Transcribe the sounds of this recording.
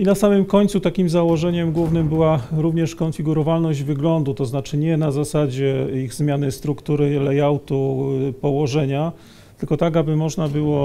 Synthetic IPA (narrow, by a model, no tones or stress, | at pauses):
inasamɘmkɔɲt̪sut̪akʲimzawɔʐɛɲɛmɡwuvnɘmbɘwaɾuvɲɛʂkɔnfʲiɡuɾɔvalnɔʑd͡ʑvɘɡlɔnd̪ut̪ɔznat͡ʂɘɲɛnazasad͡ʑɛiɣzmʲjanɘst̪ɾukt̪uɾɘlɛjawt̪upɔwɔʐɛɲa | t̪ɘlkɔt̪aɡabɘmɔʐnabɘwɔ